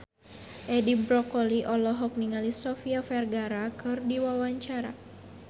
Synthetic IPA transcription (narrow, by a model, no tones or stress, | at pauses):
ʔɛdibɾɔkɔliʔɔlɔɦɔk̚niŋalisɔfiafɛrɡaɾakɨrdiwawaɲt͡ʃaɾa̰